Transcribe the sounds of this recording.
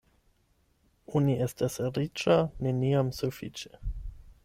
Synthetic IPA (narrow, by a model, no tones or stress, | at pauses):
uniestasɾit͡ʃaneniamsufit͡ʃe